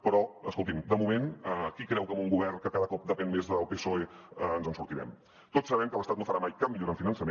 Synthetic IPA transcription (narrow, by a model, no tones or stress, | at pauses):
pɾɔə̰skolˠt̪imd̪əmumenəkikɾɛwkəmuŋɡuβɛrnkəkaðəkɔp̚d̪əpɛnmezðəlˠpesoeəənzənsuɾt̪iɾɛ̰m | t̪otsːəβɛmkəβəst̪at̪nofəɾamajkap̚miʎoɾəɱfinənsəme